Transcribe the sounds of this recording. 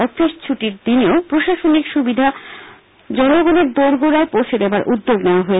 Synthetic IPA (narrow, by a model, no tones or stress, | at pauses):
ɔfiʃt͡ɕʰuʈiɾd̪ineopɾoʃaʃonikʃubid̪ʱa | d͡ʑɔnoɡoneɾd̪oɾɡoɾaepowʃʰed̪ebaɾʔud̪ːoɡneoaɦoe